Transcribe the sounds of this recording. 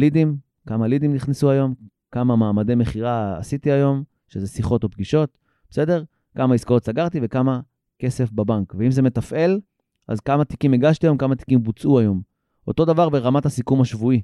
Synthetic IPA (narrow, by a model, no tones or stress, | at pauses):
lidim | kamalid̪imniχnesuajo̞m | kamamaːmademe̞χiʁa̰ːsit̪iajo̞m | ʃezesiχo̞to̞p̚ɡiʃo̞t | b̥ese̞de̞ʁ | kamaiskao̞t̪saɡaʁt̪ivekama | ke̞se̞fbabaŋkveimze̞me̞tafe̞l | ʔa̰zkamat̪ikimeɡaʃt̪iajokamat̪i̥kimbut͡suajo̞m | o̞t̪o̞davaʁbe̞ʁamathasikumaʃvui